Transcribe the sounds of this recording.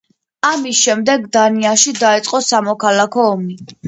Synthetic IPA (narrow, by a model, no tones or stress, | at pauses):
amisʃɛmd̪ɛɡd̪aniaʃid̪aɛt̪sʼqʼɔsamɔkʰalakʰɔːmni